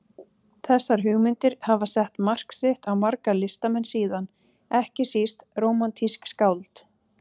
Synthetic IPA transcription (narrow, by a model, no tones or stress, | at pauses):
θɛsːaɾ̥ɦʏɣmɪnt̪ɪɾ̥havasɛht̪mar̥ksɪht̪awmaɾkalɪst̪amɛnːsiːðan | ɛhcɪsist̪roːwmant̪ʰiskskawlt̪